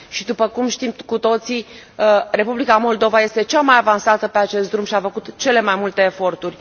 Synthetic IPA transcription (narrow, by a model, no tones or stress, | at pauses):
ʃid̪upəkumʃt̪imkut̪o̞t̪si | re̞publikamo̞ld̪o̞vaje̞st̪e̞t͡ʃamajavansat̪əpe̞at͡ʃe̞st̪̚d̪ɾumʃiafəkut̪t͡ʃe̞le̞majmult̪e̞ːfo̞rt̪urʲ